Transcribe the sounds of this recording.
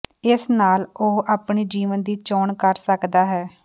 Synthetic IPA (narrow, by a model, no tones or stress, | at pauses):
ɪsnaːloːaːpɳiːd͡ʒiːʋənd̪iːt͡ʃɔːɳkəɾsəkd̪aːɦɛː